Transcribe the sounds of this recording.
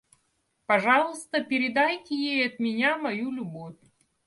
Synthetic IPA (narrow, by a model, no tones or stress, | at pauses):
pɐʐɑlˠɨst̪əpʲɪɾʲɪd̪ajtʲɪjejɐt̪mʲɪnʲamɐjulʲʊbofʲ